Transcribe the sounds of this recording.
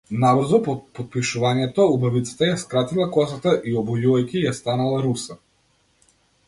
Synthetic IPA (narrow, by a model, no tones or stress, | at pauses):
nabr̩zɔpɔpɔt̪̚piʃuvaɲɛt̪ɔubavit̪sḁt̪ajaskɾat̪ilˠakɔsat̪aʔiɔbɔjuajkʲijast̪analˠaɾusa